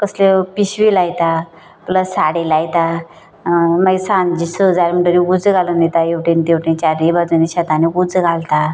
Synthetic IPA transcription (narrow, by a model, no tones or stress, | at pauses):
kəslepiɕʋilajt̪a | pləsaɽelajt̪a | maɡisãnd͡ʑisəd͡zaɾm̤əʈəɾiud͡zɡalənet̪ajewʈent̪ewʈẽnt͡ɕaɾibad͡zuniɕat̪aniɡud͡zɡʱalt̪a